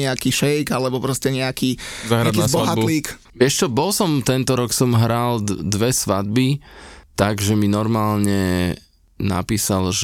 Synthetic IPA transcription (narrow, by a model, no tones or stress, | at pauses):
ɛakiːʃɛjɡalɛbɔpɾɔscɛɲɛakiːzaːɦɾad̪k̪iabɔaɦatbuliːk | ʋɪɛʃt͡ʃɔbɔlsɔmt̪ɛnt̪ɔɾɔksɔmɦɾald̪ʋɛsʋad̪̚bit̪aɡʒɛminɔɾmaːlɲɛ | na̰piːsalʒ